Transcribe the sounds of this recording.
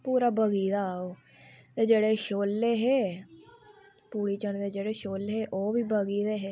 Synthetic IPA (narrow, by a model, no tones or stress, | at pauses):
puːɾaːbəɡiːd̪aːoː | t̪eːd͡ʒeːɽeːʃoːlːeːɦeː | puːɽiːt͡ʃəɳd̪eːd͡ʒeːɽeːʃoːlɦeːʔoːʋiːbəɡiːd̪eːɦeː